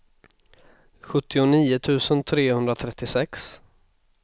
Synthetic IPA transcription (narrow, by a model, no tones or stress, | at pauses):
ɧɵt̪ːɪʊniːʊt̪ʰʉ̟ːsənt̪ʰɾeːhɵnd̪ɾat̪ʰɾɛt̪ːɪsɛks